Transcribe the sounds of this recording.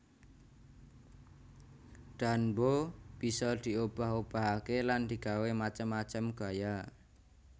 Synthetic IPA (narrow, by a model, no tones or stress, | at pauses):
ɖ̥anbob̥isɔd̪̥i̤ob̥a̤ɦob̥a̤ɦakeland̪̥i̤ɡ̥awemat͡ʃəmːat͡ʃəmɡ̥a̤ja